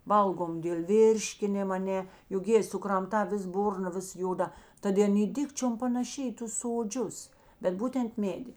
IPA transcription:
ˈʋɐlˠɡoːm dʲeːlˠ ˈʋʲɪrʲʃʲkʲɪnʲɪm ɐˈnʲɛ jʊk ˈjeːɪ sʊkrɐmˈtɑː ˈʋʲɪs ˈbʊrnɐ ˈʋʲɪs ˈjoːˌdɐ ˈtɐt ɪ ˈɐn ˈiː ˈdʲɪkt͡ʃʲoːm pɐnɐˈʃʲɪ ɪ ˈtʊs soːˈd͡ʒʲʊs bʲɛt ˈbuːtʲɛnt ˈmʲeːdʲɪ

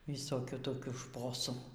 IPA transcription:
ʋʲɪsoːˈkʲuː toːˈkʲuː ˈʃpoːsuː

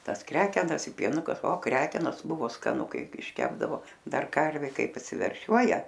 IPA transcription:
ˈtɐs ˈkrʲæːkʲɛnɐs ɪ pʲiɛˈnʊkɐ oː ˈkrʲæːkʲɛnoːs ˈbʊʋoː skɐˈnʊ ˈkɐɪp ɪʃʲˈkʲæːbdɐʋoː ˈdɐr ˈkɐrʲʋʲeː ˈkɐɪp ɐpʲsʲɪʋʲɛrʲˈʃʲuɔjɛ

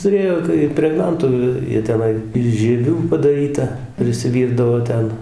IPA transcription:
tʊˈrʲeːjoː tɐɪ ɪmʲpʲrʲɛɡˈnɐntʊ ˈjiɛ ˈtʲæːˈnɐɪ ɪʃ ʒʲiɛˈʋʲuː pɐdɐˈrʲiːtɐ pʲrʲɪsʲɪˈʋʲiːrdɐʋoː ˈtʲɛn

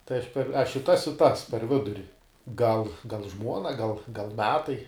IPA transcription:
tɐɪ ˈɐʃ pʲɛr ˈɐʃ ɪ ˈtɐs ɪ ˈtɐs pʲɛr ˈʋʲɪdʊrʲɪ ɡɐlˠ ɡɐlˠ ˈʒmuɔnɐ ɡɐlˠ ɡɐlˠ ˈmʲæːtɐɪ

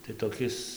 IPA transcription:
tɐɪ toːˈkʲɪs

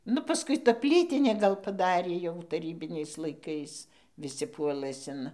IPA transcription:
ˈnʊ pɐˈskʊɪ ˈtɐ ˈpʲlʲiːtʲɪnʲeː ˈɡɐlˠ pɐˈdɑːrʲeː jɛʊ tɐˈrʲiːbʲɪnʲɛɪs lˠɐɪˈkɐɪs ʋʲɪˈsʲɪ ˈpuɔlˠɘs ɪn

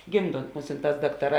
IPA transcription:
ˈɡʲɪmˌdoːnt ˈmʊsʲɪnˌtɑːs ˈdɑːktɐˌrɑː

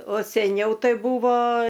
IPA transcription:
oː sʲɛˈnʲɛʊ ˈtɐɪ ˈbuːʋoː

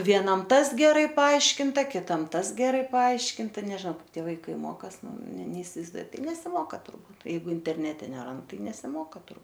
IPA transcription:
ʋʲiɛˈnɐm ˈtɐs ɡʲɛˈrɐɪ pɐˈɐɪʃʲkʲɪntɐ kʲɪˈtɐm ˈtɐs ɡʲɛˈrɐɪ pɐˈɐɪʃʲkʲɪntɐ nʲɛʒʲɪˈnɐʊ ˈkɐɪp ˈtʲiɛ ʋɐɪˈkɐɪ ˈmoːkɐs ˈnʊ nʲɛ nʲɛɪsʲɪʋɐɪzˈduɔjʊ ˈtɐɪ nʲɛsʲɪˈmoːkɐ tʊrˈbuːt jɛɪˈɡʊ ɪnʲtʲɛrʲˈnʲæːtʲɛ nʲɛˈrɐnt ˈtɐɪ nʲɛsʲɪˈmoːkɐ tʊr

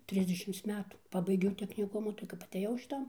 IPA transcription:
ˈtʲrʲɪzʲdʲɛʃʲɪms ˈmʲæːtuː ˈpɑːbɐɪɡʲɛʊ tʲɛknʲɪˈkʊmʊ tɐɪ kɐp ɐˈtʲeːjɛʊ ʃʲɪˈtɐn

